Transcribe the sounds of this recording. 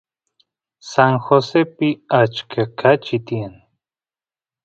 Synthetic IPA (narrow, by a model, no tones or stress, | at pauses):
saŋxosepɪat͡ʃkʰakʰat͡ʃit̪ian